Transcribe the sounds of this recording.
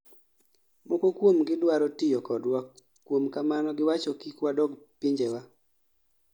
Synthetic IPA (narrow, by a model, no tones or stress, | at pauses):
mokokwomɡɪdwaɾɔtɪjɔkɔdwa | kwomkamanɔɡɪwat͡ʃɔkikwadɔɡpiɲd͡ʒewa